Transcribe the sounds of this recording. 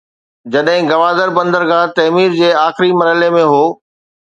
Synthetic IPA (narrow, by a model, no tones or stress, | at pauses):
d͡ʑɐɗɦɪ̃ɡɐʋaːd̪əɾbɐ̃nd̪əɾɡãːt̪ɐːmiːɾd͡ʑeːaːxɪɾimɐɾɦəlemẽɦoː